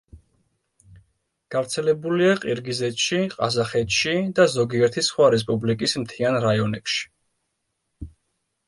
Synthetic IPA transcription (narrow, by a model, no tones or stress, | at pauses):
ɡ̥avɾt̪sʰɛlɛbuliaqʼiɾɡizɛt̪ʃiqʼa̰zaχɛt̪ʃid̪azɔɡiɛɾt̪ʰisχwaɾɛs̬pʼublikʼismt̪ʰianɾajɔnɛpʃi̥